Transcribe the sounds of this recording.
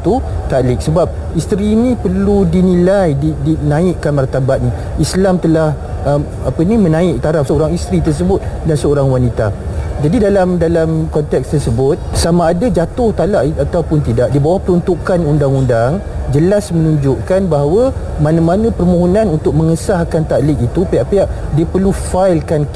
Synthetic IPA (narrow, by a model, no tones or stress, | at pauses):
t̪ut̪alɪk̚səbap̚ | ist̪ɾiːnĩpərludinilajdidinãɪʔkanmart̪abat̪̚ni | islamt̪əlah | ʔəm | apənĩmənãɪʔ̚t̪aɾafsəoɾaŋist̪ɾit̪ərs̬əbʊt̪̚dansəoɾaŋwanit̪a̰d͡ʒadidalamdalamkɔnt̪ɛkst̪ərsəbʊt̪̚samaːdad͡ʒat̪ʊht̪alaʔat̪awpʊnt̪idaʔdibawahpəɾunt̪ukanundaŋundaŋd͡ʒəlasmənũɲd͡ʒʊʔkanbaɦawə | manãmanãpərmõɦonãnunt̪ʊk̚məŋəsahkant̪aʔlɪʔit̪upaaʔpiaʔ | diəpərlufajlkan